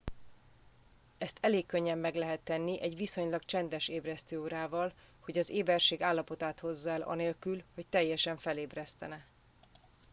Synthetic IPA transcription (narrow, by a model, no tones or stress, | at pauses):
ɛst̪ʰɛleːkːø̞ɲːɛmːɛɡlɛɦɛt̪ːɛnːiʔɛɟʋiso̞ɲlɒɡt͡ʃɛnd̪ɛʃeːbrɛst̪øːoɾaːvɒl | ho̞ɟɒzeːbɛrʃeːɡaːlːɒpo̞t̪aːt̪ho̞zːaɛlɒ̰neːlkylho̞ct̪ɛjːɛʃɛɱfɛleːbrɛst̪ɛnɛ